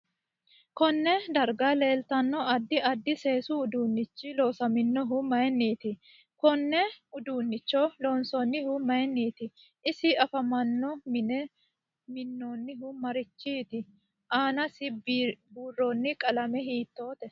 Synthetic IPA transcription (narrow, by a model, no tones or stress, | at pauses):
kɔnːɛd̪ɐɾɡale̞ːlt̪ɐnːɔɐd̪ːɪɐd̪ːɪse̞ːsʊːd̪uːnːɪt͡ʃːɪlo̞ːsɐmɪnːɔɦʊmɐjnːiːt̪ɪ | kɔnːɛʊd̪uːnːɪt͡ʃːɔloːnsɔnːɪhʊmɐjɛnːiːt̪ɪ | ʔɪsɪɐfɐmɐnːɔmɪnɛ | mɪnːoːnːɪɦʊmɐɾɪt͡ʃːiːt̪ɪ | ʔaːnɐsɪbuːrːoːnːɪkʼɐlɐmɛɦiːt̪ːo̞ːt̪ɛ